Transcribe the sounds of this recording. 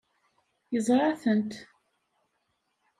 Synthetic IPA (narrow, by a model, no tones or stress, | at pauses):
jəzˤɾˤɑθənt̪